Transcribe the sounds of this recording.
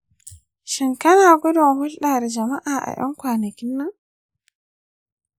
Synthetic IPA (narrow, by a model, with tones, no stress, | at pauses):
ʃi˨ŋka˦naː˨ɡɔ˦dɔ˨hʊ˦lɗaː˨ɾɛ˨d͡ʒɐ˨ma˦ʔaː˨ʔa̰˨jɔ̰˦ŋkʷwaː˨na˨kʲɪ˦nːa˨ŋ